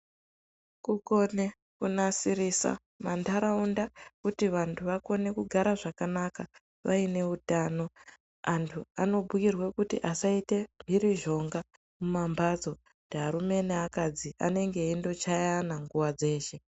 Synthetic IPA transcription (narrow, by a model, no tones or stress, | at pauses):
kuko̞ne̞ | kunasiɾisa̰ | mandaɾaundakutiʋantʰuʋako̞ne̞kuɡʱaɾaʐakanaka | ʋaine̞utano̞ | antʰua̰no̞bʱukirwekutḭʔasaite̞mbʱiɾiʒo̞ŋɡa | mumambad͡zo̞ | dɦaɾume̞neakad͡zia̰ne̞ŋɡeindo̞t͡ʃajanaŋɡuwad͡ze̞ːʃe̞